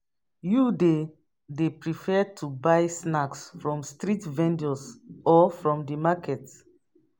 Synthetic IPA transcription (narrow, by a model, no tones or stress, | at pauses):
jude | depɹifɛd̚tʰubaɪsnaksfɹɔ̃mstɹitvɛ̃ndəsʔɔfɹɔ̃mdimakʰɛt